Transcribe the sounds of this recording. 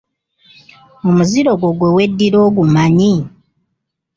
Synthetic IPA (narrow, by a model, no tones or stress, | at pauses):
omuziɾo̞ɡwo̞ɡwewe̞dːiɾo̞ːɡumaɲi